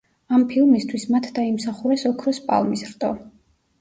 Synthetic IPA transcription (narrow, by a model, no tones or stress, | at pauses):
ampʰilˠmist̪ʰwismat̪ʰd̪aimsaχuɾɛsɔkʰɾɔspʼa̰lˠmisɾt̪ʼɔ